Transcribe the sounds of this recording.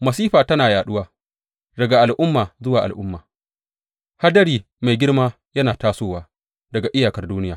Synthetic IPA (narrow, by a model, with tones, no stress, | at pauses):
mɐ˨siː˦ɸaː˨tɐ˦naː˨jaː˨ɗʊ˦waː˦ | dɐ˨ɡa˨ʔa˨lʔʊ˦mːaː˨zʊ˦waː˨ʔa̰˨lʔʊ˦mːaː˨ | ha˦dɐ˦ɾiː˨ | ma˨jɡʲɪ˦rmaː˦ | jɐ˦naː˨taː˦soː˦waː˦ | dɐ˨ɡa˨ʔɪ˦jaː˨kɐ˦rduː˦nɪ˦jaː˨